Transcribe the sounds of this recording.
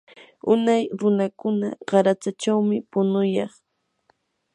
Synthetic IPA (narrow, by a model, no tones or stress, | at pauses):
ʊnajɾʊnakʊna̰ɢɑɾat͡sat͡ʃawmɪpʊnʊjɑχ